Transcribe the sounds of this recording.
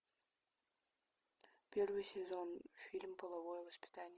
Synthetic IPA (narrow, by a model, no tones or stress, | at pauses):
pʲervɨjsʲezonfʲilʲmpəlˠɐvojəvəspʲɪ̥t̪anʲɪ